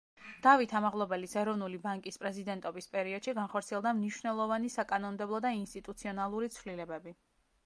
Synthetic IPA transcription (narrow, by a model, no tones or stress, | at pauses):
d̪̥avit̪ʰamaʁlˠɔbɛlisɛɾɔvnulibaŋkʼispʼɾɛzid̪ɛnt̪ʼɔbispʼɛɾiɔd̪̥ʃiɡanχɔɾt̪sʰiɛlˠd̪amniʃvnɛlˠɔvanisakʼanɔnmd̪ɛblˠɔd̪ainst̪ʼit̪ʼut̪sʰiɔnalˠuɾit̪sʰvlilɛbɛbi